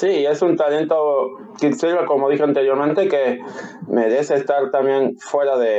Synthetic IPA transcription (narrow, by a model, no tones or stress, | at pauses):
siːe̞sunt̪ale̞nt̪o̞ | kit̪siɾβeko̞moðixeant̪eɾjo̞ɾmẽnt̪ekeme̞ɾe̞seːst̪aɾt̪ambje̞nfwe̞ɾaðe